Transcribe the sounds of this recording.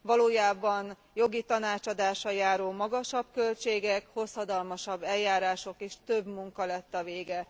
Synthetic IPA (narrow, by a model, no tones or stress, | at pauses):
vɒloːjaːbɒn | jo̞ɡit̪ɒnaːt͡ʃɒd̪aːʃɒjaːɾoːmɒɡɒʃɒbkø̞lt͡ʃeːɡɛkho̞shɒd̪ɒlmɒʃɒbːɛljaːɾaːʃo̞keːʃt̪ø̞bmuŋkɒlɛt̪ːɒveːɡɛ